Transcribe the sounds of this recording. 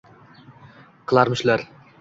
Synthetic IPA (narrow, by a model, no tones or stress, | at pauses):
qʰɨlˠɑɾmɪʃlaɾ